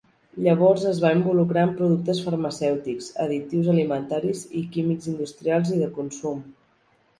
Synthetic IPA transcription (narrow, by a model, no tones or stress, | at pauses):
ʎəβ̞ɔrzəzβaimbulukɾaəmpɾuð̞uk̚t̪əsfəɾməsɛwt̪ikz̥ə̰ðit̪iwzəlimənt̪aɾizikimikzind̪ust̪ɾialˠziðəkunsum